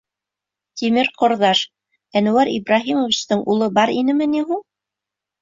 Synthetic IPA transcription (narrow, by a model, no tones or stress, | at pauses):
t̪imɘɾqŏɾðɑʃ | ænŭwæɾḭbɾɑɦimovʲit͡ɕt̪ɤɴʔulˠɤbɑɾinɘmɘniɦuɴ